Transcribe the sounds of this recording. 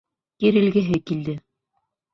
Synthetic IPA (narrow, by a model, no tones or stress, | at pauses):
jiɾɘ̆lɡæɦɘkild̪ɘ